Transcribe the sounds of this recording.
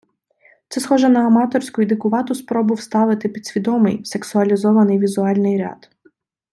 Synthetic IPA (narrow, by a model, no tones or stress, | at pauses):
t̪sɛsxɔʒɛnɐːmɑt̪ɔrʲsʲkʊjʊd̪ɪkʊʋɑt̪ʊspɾɔbʊwst̪ɑʋɪt̪ɪpʲid̪sʲʋʲid̪ɔmɪ̰jseksʊɐlʲizɔʋɐnɪjʋʲizʊɑlʲnɪjɾʲɑ̰t̪